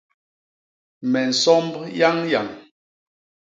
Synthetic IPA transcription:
mɛ˨n̩˨sɔ˦mbja˦ŋja˨ŋ

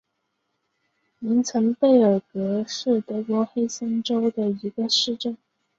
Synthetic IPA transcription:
ni˧˥ŋt͡sʰɤ˧˥ŋpe˥˩ɪə˞˨˩kɤ˧˥ʂɻ̩˥˩t̪ɤ˧˥kwɔ˧˥xe˥ɪsə˥nʈ͡ʂo˥ʊd̪ə˨i˧˥ɡə˧ʂɻ̩˥˧ʈ͡ʂə˥˩n

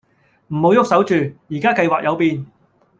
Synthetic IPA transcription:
m̩˨˩mo˨˧wjʊ˥k̚sɐ˨˥wt͡ʃyː˨jiː˨˩kaː˥kɐ˧jwaː˨k̚jɐ˨˧wpiː˧n

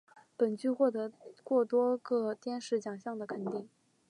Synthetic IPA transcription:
pə˨˩nt͡ɕy˥˧xwɔ˥˩t̪ɤ˧˥kwɔ˥˩t̪wɔ˥ɡɤ˧t̪jɛ˥nʂɻ̩˧˥t͡ɕjɑ˨˩ŋɕjɑ˥˩ŋd̪ə˩kʰə˨˩nt̪i˥˩ŋ

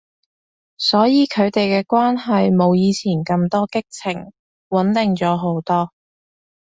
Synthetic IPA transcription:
sɔː˨˥jiː˨˧kʰɵ˨˧ɥt̪e˨jkɛː˧kʷaː˥nɦɐ˨jmo˨˧wjiː˨˧t͡sʰiː˨˩nkɐ˧mt̪ɔː˥kɪ˥k̚t͡sʰɪ˨˩ŋ | wɐ˨˥nt̪ɪ˨ŋt͡sɔː˨˥ɦo˨˧˥wt̪ɔː˥

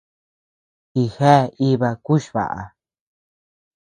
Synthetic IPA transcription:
ki˧˨he˦˨i˦βa˧ku˦ʃβa̰˨ʔa̰˨

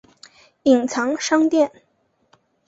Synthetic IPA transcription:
i˨˩ŋt͡sʰɑ˧˥ŋʂɑ˥ŋt̪jɛ˥˩n

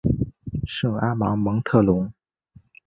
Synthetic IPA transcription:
ʂɤ˥˩a˥mɑ̰˧˥ŋmɤ˧˥ŋt̪ʰɤ˥˩lʊ˧˥ŋ

